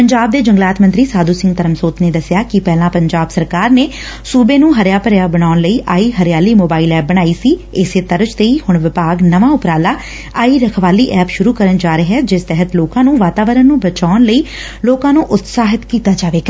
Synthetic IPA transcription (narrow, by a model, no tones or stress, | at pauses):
pəɲd͡ʒaːb̚d̪eːd͡ʒə̃ŋɡlaːt̪mənt̪ɾiːsaːd̪uːsɪ̃ŋɡ̚t̪əɾəmsoːt̪neːd̪əsjaːkɪpɛːlãːpəɲd͡ʒaːbsəɾkaːɾneː | suːbeːnũːɦəɾjaːpəɾjaːbəñaːʊnləiːʔaːiːɦəɾɪjaːliːmoːbaːilɛːp̚bəɽ̃aːiːsiːɪseːt̪əɾd͡ʒt̪eiːhʊɳʋɪpaːɡnəʋãːʊpɾaːlaː | aːiːɾəkʰʋaːliːʔɛːpʃʊɾuːkəɾənd͡ʒaːɾɪɦɛːd͡ʒɪst̪ɛɦət̪loːkãːnũːʋaːt̪aːʋəɾənːũːbət͡ʃaːʊnləiː | loːkãːnũːʔʊt̪saːɦɪt̪kiːt̪aːd͡ʒaːʋeːɡaː